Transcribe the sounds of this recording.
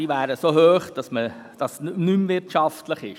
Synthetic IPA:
iːʋæːɾəsoɦøːχd̥ɑsməd̥ɑsnymvɪɾtʃɑftləχɪʃ

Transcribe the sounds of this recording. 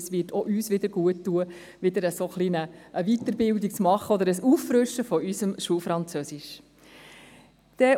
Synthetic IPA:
sʋɪːtʰɔʔyːsʋɪd̪əɾɡ̥uətːuə | ʋɪd̪əɾəsoχlinəʔːʋit̪əɾbɪld̪ik̚t͡smɑχːəɔd̪əɾəsuːfɾʉʃːəfɔysəmʃuːfɾɑnt͡sœsɪʃ | d̪̥ɛ

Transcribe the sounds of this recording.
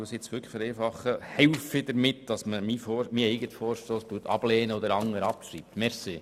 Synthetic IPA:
sɪt͡sʋʏkʰχəfəɾɛːfɑχəhɛʊfid̥̪əɾmɪtd̥ɑsməmifɔːmiːɛɪɡətfɔːrʃtoːstuːtɑ̰b̥lɛːnəɔd̪əɾɑŋːəɾɑpʃɾiːp̚t̪mɛɾsiː

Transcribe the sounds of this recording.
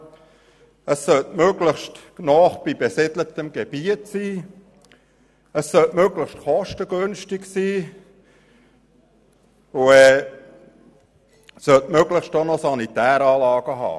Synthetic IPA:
əsːœltmøɡləχʃtnɔːχb̥ibɛsɪdlətəmɡ̥eb̥iətsiː | əsːœltmøɡləχʃtχɔʃtəɡønʃtɪksiː | uɛː | sœltmøɡləχʃtonɔsɑnitæːɾɑːlɑːɡ̥əɦɑ̰ː

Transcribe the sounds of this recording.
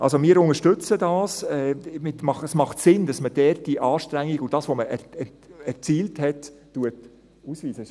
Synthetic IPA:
ʔɑ̰lsomɪːəɾʊŋəɾʃtʏt͡sədɑːsɛmɪtmɑχəsmɑχtsɪnd̥ɑsməd̥ɛrt̚diʔɑːʃtɾæŋːiɡʊd̥ɑːsʋoməʔɛɛ | ɛɾt͡siːlthɛtː | uət | usʋiːsə

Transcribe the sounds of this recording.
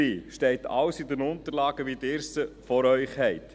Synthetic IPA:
iːʃtɛɪtʰɑ̰wsidənʊnt̪əɾlɑːɡəʋidɪːɾsəfɔɾœʏχhɛɪt

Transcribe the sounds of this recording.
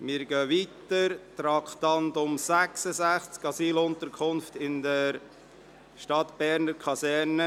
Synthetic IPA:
mɪːɾɡœːʋiːtəɾtɾɑkχt̪ɑnd̪ʊmsæksəzæχt͡skɑsiːlʊnt̪əɾkʰʊnftɪndəɾ | ʃtɑt̪b̥ɛɾnəɾkʰɑsɛɾnə

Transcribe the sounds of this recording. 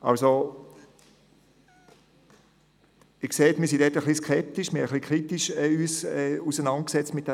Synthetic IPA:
ʔɑlso | ɪkseːtmiɐs̬indɛtəχliskʰɛp̚t̪iʃmɪəχlikʰʁitiʃɛyːsɛusənɑnt̚ksɛt͡stmɪt̚d̥ɛ

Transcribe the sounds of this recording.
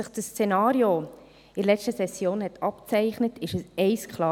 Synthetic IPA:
əχdəst͡senɑːɾio | ɪlɛstəsɛsːjoːnhɛtʰɑpt͡sɛɪχnətʰɪʃəsɛɪskχlɑː

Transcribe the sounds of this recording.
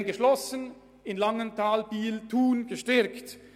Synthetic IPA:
nɡəʃlɔsən | ɪnlɑŋəntʰaːlbiːltʰuːnɡ̥əʃtɛɾkt

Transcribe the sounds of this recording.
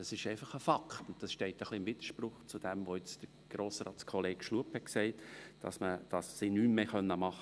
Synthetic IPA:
d̥ɑsɪʃɛɪfɑχəfɑkʰtʊntd̥ɑsʃtɛɪtəχliɪmvid̥̪ə̥ɾʃprʊχt͡sud̥ɛmvoɪt͡sd̥əɾ | ɡ̥ɾoːsɾɑ̰ːt͡skʰɔleːkʃluəphɛksɛɪtd̥ɑ̰sməd̥ɑsːinyːmmeːχœnːəmɑχə

